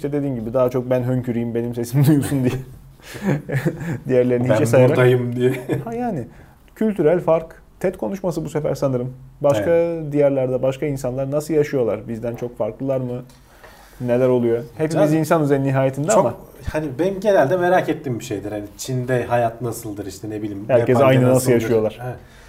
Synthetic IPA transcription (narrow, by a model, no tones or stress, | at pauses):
iʃt̪ʰɛd̪e̞d̪iːnɟibid̪aːat͡ʃʰo̞k̚bænɦøɲcʰyɾijimbe̞nimse̞simd̪ujosund̪ijɛ | d̪ijæɾlʲe̞ɾinit͡ʃɛsajaɾat̪ajɯmd̪ijɛhajaːnɪ | cʰylʲt̪ʰyɾælʲfaɾk | t̪ʰɛt̪kʰo̞nuʃmasɯbuse̞fæ̰ɾsanɯɾɯmbaʃkad̪ijæɾlʲæɾd̪ɛbaʃkʰainsanlˠaɾnasɯlˠjaʃɯjo̞lˠaɾbizd̪ænt͡ʃʰo̞kfaɾklˠɯlˠaɾmɯ | nelʲæɾo̞lˠujo̞he̞pimizinsanyzeɾniɦaːjet̪ʰind̪ɛamahanibemɟenælʲd̪ɛmeɾaːcet̪ːimbiʃejd̪iɾhanit͡ʃʰind̪ɛɦajat̪nasɯlˠd̪ɯɾiʃt̪ʰɛnebilʲimhæɾcʰɛsaajnnɯnasɯljaʃɯjo̞lˠaɾ̥ɛ